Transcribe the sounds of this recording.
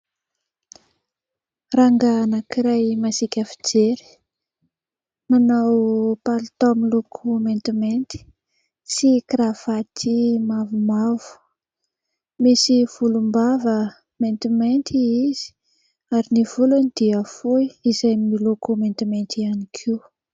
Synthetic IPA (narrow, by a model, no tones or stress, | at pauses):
raŋɡanakiɾajmasikʲafid͡zeɾi̥ | manawpalt̪omilukʰument̪iment̪i̥ | sikɾav̥at̪ʰimavumavu̥ | misiv̥ulumbavə | ment̪iment̪iiz̥i̥ | aɾiniv̥ulanid̪̥iəfuiizajmilukument̪iment̪ianikʰiw